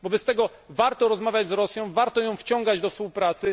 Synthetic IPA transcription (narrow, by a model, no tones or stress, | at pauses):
bɔbɛst̪ɛɡɔ | vaɾt̪ɔɾɔzmavʲjad͡ʑzɾɔsʲjɔ̃w̃vaɾt̪ɔjɔ̃w̃ft͡ɕɔ̃ŋɡad͡ʑd̪ɔfspuwpɾat̪sɘ